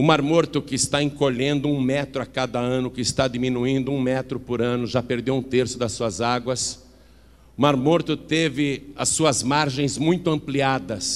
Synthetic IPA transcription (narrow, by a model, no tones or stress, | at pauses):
ʊmaɾmoɾt̪ʊkɪɪst̪aẽŋkoʎẽnd̪ʊũmɛt̪ɾʊakad̪ɐɐ̃nʊkɪɪst̪ad̪imĩnuĩnd̪ʊũmɛt̪ɾʊpʊɾɐ̃nʊʒapeɾd̪ewũt̪eɾsʊd̪ɐsːuɐzaɡwɐs | ʊmaɾmoɾt̪ʊt̪evɪɐsuɐzmaɾʒẽj̃zmũj̃t̪ʊɐ̃mpliad̪ɐs